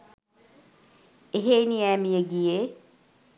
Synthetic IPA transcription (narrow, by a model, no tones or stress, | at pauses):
eɦeːniæːmijəɡijeː